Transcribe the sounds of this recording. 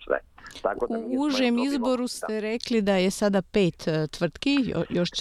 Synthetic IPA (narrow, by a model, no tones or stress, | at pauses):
sʋɛ̰t̪uuʒemizbo̞ɾust̪eɾeklid̪ajesad̪apeːt̪t̪ʋr̩t̪kḭjoʃ